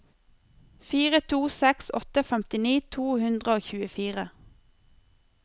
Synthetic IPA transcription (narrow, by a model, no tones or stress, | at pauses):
fiːʁət̪ʰuːsɛksɔ̰t̪əfɛmt̪ɪniːt̪ʰuːhʉnd̪ʁəoːçʉːəfiːʁə